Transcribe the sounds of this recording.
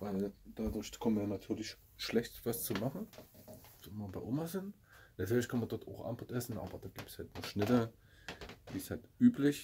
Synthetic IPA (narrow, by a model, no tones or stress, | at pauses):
vaɪld̥adʊɐçkʰɔmənviːɐnatʰyːɐlɪç | ʃlɛçtv̥ast͡sumaχn̩ | zoɪmɐbaɪʔomazɪn | natʰyːɐlɪçkʰanmɐndɔɐtʰa̰ʊxʔa̰mpʰʊtʔɛsn̩ʔa̰ːbɐd̥aːɡiːp̚tshaltnuːɐʃnɪtə | d̥ḭːshaltʔyːplɪç